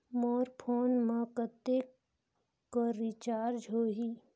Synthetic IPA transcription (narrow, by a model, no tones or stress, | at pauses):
mɔːɾpʰoːnmãkət̪e | koɾit͡ʃaːɾd͡ʒɦoːɦiː